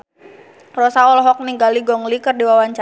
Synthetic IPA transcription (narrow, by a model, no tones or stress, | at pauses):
rɔsaɔlɔɦɔk̚niŋɡaliɡɔŋlikɨrdiwawaɲt͡ʃa